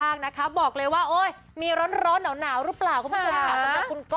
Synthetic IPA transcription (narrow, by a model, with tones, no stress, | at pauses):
aː˥˩k̚na˦˥kʰa˦˥bɔː˨˩k̚lɤː˧jwaː˥˩ʔoː˧˥˩j | miː˧ɾɔ˦˥nɾɔː˦˥nːaː˩˦wnaː˩˦wɾɯː˦˥plaː˨˩wkʰːmʰː˥o˧m˧a˧˩˧a˨˩kʰu˧nkɔ